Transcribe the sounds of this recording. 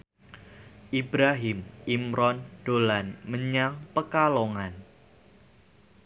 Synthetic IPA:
ʔibɾaɦɪmʔimɾɔnd̥olanməɲaŋpəkaloŋan

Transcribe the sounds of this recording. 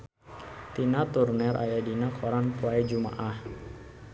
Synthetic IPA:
t̪inat̪urnɛɾʔa̰jadinakʰɔɾanpuajd͡ʒuma̰ʔah

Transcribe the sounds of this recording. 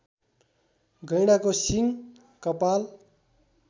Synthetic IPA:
ɡʌjɽ̃akosiŋ | kʌpal

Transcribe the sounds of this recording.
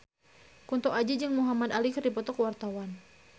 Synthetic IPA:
kunt̪ɔʔad͡ʒid͡ʒɨŋmuɦamad̪alikrdipɔt̪ɔkəwart̪awan

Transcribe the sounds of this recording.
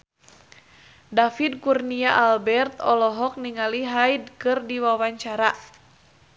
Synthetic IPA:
dafid̚kurniaʔalbɛrt̪ɔlɔɦɔk̚niŋaliɦajdkɨrdiwawaɲt͡ʃaɾa

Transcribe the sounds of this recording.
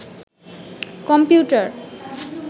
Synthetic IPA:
kɔmpjuʈaɾ

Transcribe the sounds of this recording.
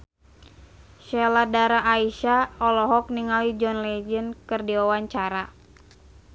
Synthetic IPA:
ʃɛladaɾaʔːiʃaɔlɔɦɔk̚niŋalid͡ʒɔnlɛd͡ʒənkɨrdiawaɲt͡ʃaɾa

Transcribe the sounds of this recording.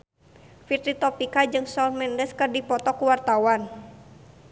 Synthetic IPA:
fit̪ɾit̪ɔpikad͡ʒɨŋsɔlmɛndəskɨrdipɔt̪ɔkuwart̪awan

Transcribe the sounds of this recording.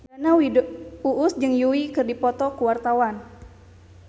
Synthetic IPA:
banaiuʔʊsd͡ʒɨŋjuwikɨrdipɔt̪ɔkuwart̪awan

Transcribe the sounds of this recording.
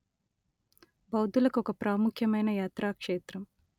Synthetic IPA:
bɐwd̪ulɐkuɔkɐpɾaːmukʰjɐmɐjnɐjaːt̪ɾaːkʂeːt̪ɾɐm

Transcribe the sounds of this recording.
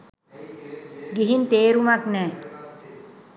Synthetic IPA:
ɡiɦint̪eːɾumaknɛː

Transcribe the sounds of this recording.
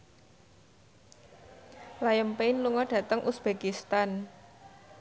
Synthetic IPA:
lajəmpenluŋɔɖ̥ä̤t̪əŋʔusb̥ekist̪an

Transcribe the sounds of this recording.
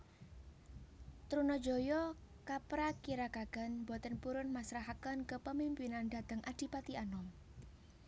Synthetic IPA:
t̪ɾunɔd̥d͡ʒo̤jɔkapɾakiɾakaɡ̥a̤nbɔt̪ənpuɾʊnmasɾaɦakənkəpəmimpinand̪̥ad̪̥ə̤ŋʔad̥i̤pat̪ianɔm

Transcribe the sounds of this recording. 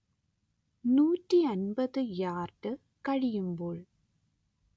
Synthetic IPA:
nuːʈriɐnbɐðɯjaːrʈɯ | kɐɻɪjɯmboːɭ

